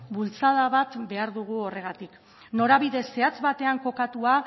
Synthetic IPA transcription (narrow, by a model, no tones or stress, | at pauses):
bult͡saðaβat̪be̞aɾðuɣ̞uo̞re̞ɣ̞at̪ik | no̞ɾaβiðe̞sːe̞at͡sβat̪e̞aŋko̞kat̪ua